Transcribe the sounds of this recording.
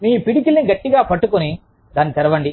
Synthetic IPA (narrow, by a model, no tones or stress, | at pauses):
miːpiɽik̬ilniɡɐʈːiɡaːpɐʈːukuni | d̪aːnːit̪ɛɾɐʋɐɳɖi